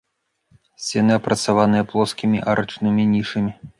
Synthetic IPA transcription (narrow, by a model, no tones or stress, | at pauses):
sʲt͡sʲɛnɨɐpɾɐt̪savanɨjɐplˠɔskʲimʲiʔaɾɐt͡ʂnɨmʲinʲiʂɨmʲi